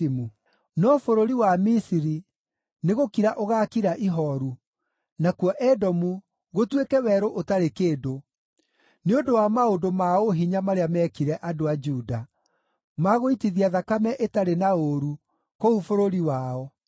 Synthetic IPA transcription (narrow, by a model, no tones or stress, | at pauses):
mu | nɔfoɾoɾiwamisiɾi | neɣokiɾaʔoɣaːkiɾaʔiɦɔɾu | nakwɔʔɛdɔmu | ɣotwekɛwɛɾoʔotaɾekeːdo | neondowamaodomaoɦiɲamaɾeamɛkiɾɛʔadoad͡ʒuda | maɣoitiðiaðakamɛʔetaɾenaoɾu | koufoɾoɾiwaɔ